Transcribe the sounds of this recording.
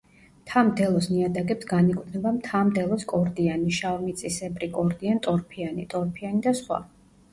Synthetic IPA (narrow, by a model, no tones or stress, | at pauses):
t̪ʰamd̪ɛlˠɔsniad̪aɡɛpsɡanikʼt̪ʰnɛbamt̪ʰamd̪ɛlˠɔskʼɔɾd̪ianiʃavmit̪sʼisɛpʼɾikʼɔɾd̪iant̪ʼɔɾpʰianḭt̪ʼɔɾpʰianid̪asχwa̰